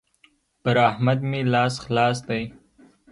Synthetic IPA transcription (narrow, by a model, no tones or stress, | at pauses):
bəɾahmad̪melɑsxlɑs̬d̪aj